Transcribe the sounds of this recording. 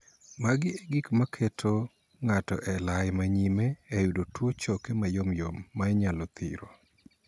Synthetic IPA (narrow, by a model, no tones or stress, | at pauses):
maɡɪeɡikmakʰetʰo | ŋatɔ̰ʔɛlajmaɲimeːjudotwot͡ʃɔkemajomjomːaɛɲalɔt̪ḭɾo̰